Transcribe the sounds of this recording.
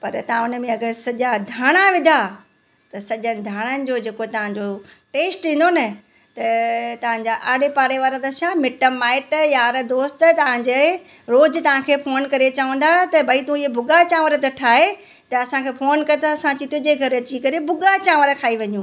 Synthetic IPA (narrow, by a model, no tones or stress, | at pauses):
pɐ̰ɾt̪ɐãʊnəmẽɐɡəɾsɐʄad̪ʱaːɽ̃aʋɪd̪ʱa | t̪ɐsɐʄəɽ̃ɪ̃̆d̪ʱaːɽ̃ənɪ̆d͡ʑoːd͡ʑeːkot̪ɐʋ̤ãɲd͡ʑo | ʈeːsʈĩːn̆d̪onɐ | t̪ɐt̪ɐʋ̤ãɲd͡ʑaʔaːɽepaːɾeʋaːɾə̃d̪ɐʃãmɪʈəmːaːɪʈjaːɾd̪oːst̪ət̪ɐʋ̤ãɲd͡ʑe | ɾoːd͡ʑɪt̪ɐʋ̤ãkʰeːfʰoːnkɐɾet͡ɕaʋə̃ːnd̪at̪ɐbʱɐit̪ũɪɦebʱʊɡat͡ɕãːʋəɾət̪ɐʈʰaːɦe | t̪ɐɐsãkʰeːfʰoːnkɐɾet̪aɐsãt͡ɕĩt̪ʰõd͡ʑeɡʱɐɾɐt͡ɕikɐɾebʱʊɡat͡ɕãːʋəɾkʰaːiʋɐɲũː